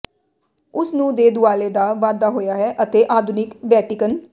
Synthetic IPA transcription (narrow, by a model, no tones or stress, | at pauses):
ʊsnũːd̪eːd̪ʊaːleːd̪aːʋaːd̪aːɦoːjaːɦɛːʔət̪eːʔaːd̪ʱʊnɪkbɛːʈɪkən